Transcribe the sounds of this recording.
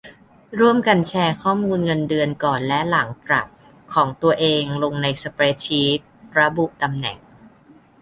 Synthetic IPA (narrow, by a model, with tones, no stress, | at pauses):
ɾu˥˩əmka˧nt͡ɕʰɛː˧kʰɔː˥˩muː˧nŋɤ˧ndɯ˧ənkɔː˨˩nlɛ˦˥la˩˦ŋpɾa̰˨˩p̚ | kʰːɔː˩˦ŋt̪u˧ɐʔeː˧ŋlo˧ŋna˧jsa˧pɾeː˦˥t͡ɕʰiː˦˥t̪̚ɾa˧bu˨˩ʔt̪a˧mnɛ̰˨˩ŋ